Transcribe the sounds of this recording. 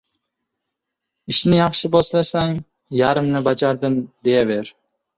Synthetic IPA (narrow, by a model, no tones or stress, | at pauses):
iʃnɪjɑχʃɪboslˠɑsaŋ | jɑɾɨmnɪbɑd͡ʒɑɾd̪ɪmd̪ejɛveɾ